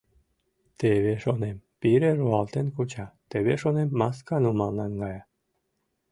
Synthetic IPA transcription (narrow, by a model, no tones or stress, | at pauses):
t̪eβeʃonempiɾeruɑlt̪enkut͡ɕɑt̪eβeʃonemːɑskɑnumɑlnɑnɡɑjɑ